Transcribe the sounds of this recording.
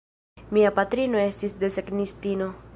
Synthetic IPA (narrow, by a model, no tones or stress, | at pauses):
miapat̪ɾino̞e̞stisdeseknistino̞